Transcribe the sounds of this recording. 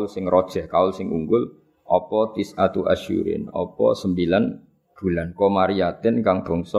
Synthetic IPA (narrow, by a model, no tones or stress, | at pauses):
lsɪŋrɔd̥ʒ̥ɛ̤hkaʊlsɪŋṵŋɡʊl | ʔɔpɔt̪ɪsat̪uaʃṵɾɪ̰nɔ̰pɔ̰səmbilan | b̥ṳlankɔmaɾiat̪ɪnkaŋb̥ɔ̤ŋsɔ